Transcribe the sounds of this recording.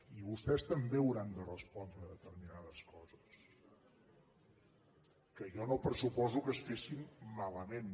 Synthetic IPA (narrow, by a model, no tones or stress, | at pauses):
iβust̪ɛst̪əmbeuɾand̪ərəspɔnd̪ɾəðət̪əɾminaðəskɔzəs | kəʒɔnopəɾsupɔzukəsfesimːaləmen